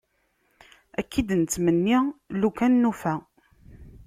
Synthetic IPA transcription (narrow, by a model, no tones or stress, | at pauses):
ækʰːid̪nt͡s̪ːmənːilukænːufæ